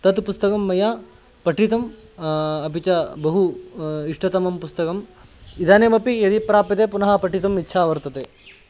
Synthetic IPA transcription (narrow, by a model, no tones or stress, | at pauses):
t̪ɐt̪pust̪ɐkɐmːɐja | pɐʈʰit̪ɐm | ɐpit͡ʃɐbɐɦuiʂʈɐt̪ɐmɐmpust̪ɐkɐmid̪aːneːmɐpijɐd̪ipɾaːpit̪epunɐɦɐpɐʈit̪ɐmitːʃʰaːʋɐɾt̪ɐt̪eː